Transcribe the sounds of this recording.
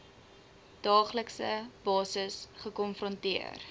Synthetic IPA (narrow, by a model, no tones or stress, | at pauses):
d̥ɑːχləksəb̥ɑːsəsχəkɔnfrɔntiə̰r